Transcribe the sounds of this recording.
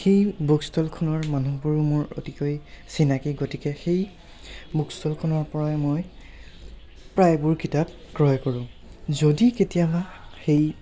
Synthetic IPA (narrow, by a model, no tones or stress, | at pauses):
xejbukstɔlkʰɔnɔɹmanubuɹmʊɹo̰tikojsinakiɡotikɛxej | bukstɔlkʰɔnɔɹpɔɹaɛmoj | pɹajbʊɹkitap̚ | ɡɹɔjkoɹʊ̃ | zodiketijabaxej